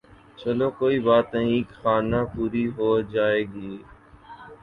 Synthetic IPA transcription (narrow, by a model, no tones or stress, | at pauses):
t͡ʃəloːkoːiːbaːt̪əĩeːkxaːnãːpuːɾiːɦoːd͡ʒaːeːɡiː